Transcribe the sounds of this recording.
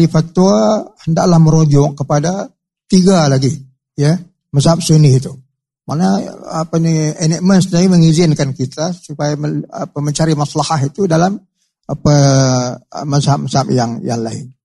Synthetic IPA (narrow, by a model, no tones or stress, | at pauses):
lifat̪ːuahəndaʔlahməɾod͡ʒɔʔkəpada | t̪iɡalaɡi | jə | məsap̚sunɪhit̪u | maʔnaapanienɛʔ̚mənsnaiməŋizɪnkankit̪asupajaapaməɲt͡ʃaɾimaslahaɦit̪udalam | apaː | əshap̚məsap̚jaŋja̰ŋlaɪ̰n